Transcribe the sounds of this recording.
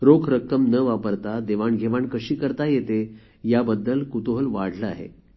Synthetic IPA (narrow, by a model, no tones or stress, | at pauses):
ɾokʰɾəkːəmnəʋapəɾt̪ad̪eʋaɳɡʱeʋaɳkəɕiːkəɾt̪ajet̪e | jabəd̪ːəlkut̪oɦəlʋaɽ̤ʱləa̰ɦḛ